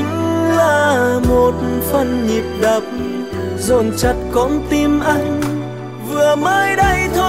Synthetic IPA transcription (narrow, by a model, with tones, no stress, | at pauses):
laː˧˩mo˨˩t̚fə˧˩nɲi˨˩p̚ɗə˨˩p̚ | zo˧˩nt͡ɕə˧˦t̚kɔ˧˦mt̪i˧mʔa˧jŋ̟ | vɨ˨˩əməː˧jɗə˧jt̪ʰo˧